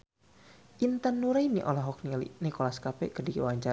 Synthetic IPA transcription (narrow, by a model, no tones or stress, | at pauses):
ʔint̪ənːuɾainiʔɔlɔɦɔk̚nilḭnikɔlaskapɛ̰kərdikəwaɲt͡ʃa